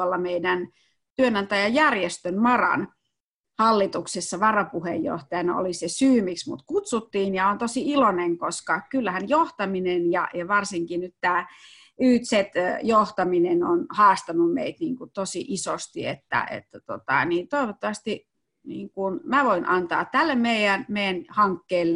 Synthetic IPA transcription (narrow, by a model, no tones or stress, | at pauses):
olːɑmeidæn | t̪yønɑnt̪æjɑjærjest̪ønmɑrɑ̰n | hɑlːit̪uksesːɑʋɑrɑpuhejjo̰ht̪ɑjɑnɑo̰lisesyːmiksmut̪kut̪sut̪ːiːnjɑont̪osiiloneŋkoskɑkylːæhænjoht̪ɑminenjɑ̰jɑʋɑrsiŋkinyt̪t̪æː | yːt̪set̪joht̪ɑminenonhɑːst̪ɑnummeit̪niːŋkut̪osiʔisost̪iḛt̪ːæ̰ḛt̪ːæt̪ot̪ɑ̰niːnt̪oiʋot̪ːɑʋɑst̪i | niːŋkunmæʋoinʔɑnt̪ɑ̰ːt̪t̪ælːemmeijænmejænhɑŋkːeːlː